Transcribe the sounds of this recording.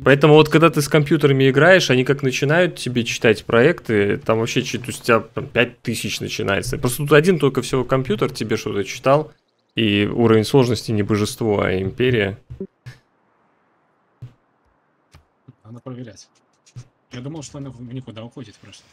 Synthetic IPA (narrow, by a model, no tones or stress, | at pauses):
pɐɛt̪əmʊvo̞t̪̚kɐɡd̪at̪ɨskɐmpʲjut̪əɾəmʲɪɪɡɾajɪʂɐnʲikaknət͡ɕɪnajʊt̪tʲːɪbʲet͡ɕɪ̥t̪atʲpɾɐɛkt̪ɨt̪amvɐpɕːe̞t͡ɕɪt̪osʲt̪ʲtʲɪbʲapɾʲampʲæt̚ʲt̪ɨsʲɪt͡ɕnə̰t͡ɕɪna̰jɪ̰t̪səpɾo̞st̪ət̪ut̪ɐdʲint̪o̞lʲkəfsʲɪvo̞kɐmpʲjut̪ərtʲɪbʲe̞ʂt̪o̞̰t̪ət͡ɕɪ̥t̪ɑlˠ | iuɾəvʲɪnʲslˠo̞ʐnəsʲtʲɪnʲɪbəʐɨst̪vo̞ɐ̰ɪmʲpʲeɾʲɪjə | ɐnapɾəvʲɪɾʲɛtʲ | jad̪uməlˠʂt̪oɐnanʲɪkʊd̪aʊxotʲɪt̪pɾos